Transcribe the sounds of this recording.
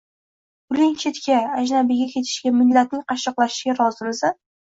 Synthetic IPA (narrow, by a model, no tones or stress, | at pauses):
ʊlɪŋt͡ʃʰe̞t̪kʲaːd͡ʒnabɪɡʲakʲʰe̞t̪ʰɪ̥ʃɡʲamɪlːat̪̚nɪŋqʰɑʃɨqlˠaʃɪ̥ɡʲaɾɒzɪmɪsa